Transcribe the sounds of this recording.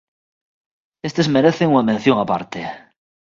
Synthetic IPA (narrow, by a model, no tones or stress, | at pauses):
est̪ezmeɾeθeŋuŋamen̟θjoŋapa̰ɾt̪e